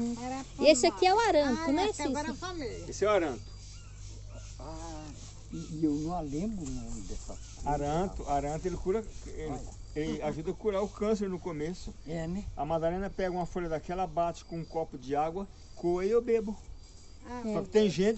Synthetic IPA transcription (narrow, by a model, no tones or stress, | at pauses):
iesɪakiɛwaɾɐ̃t̪ʊnɛsĩfamilɐesɪɛwaɾɐ̃t̪ʊ̥ | a | iewnɐ̃w̃alẽbɾʊnɐ̃d̪ɛsɐ | aɾɐ̃t̪ʊaɾɐ̃t̪ʊelɪkuɾɐe | ellɪaʒud̪ɐkuɾaɾʊkɐ̃seɾnʊkomesʊɛnɐmad̪alẽnɐpɛɡɐũmɐfoʎɐd̪akɛlɐbat͡ʃɪ̥kõũkɔpʊd͡ʒɪaɡwɐ | koɐiewbebʊ | sɔkɪt̪ẽj̃ʒẽt͡ʃɪ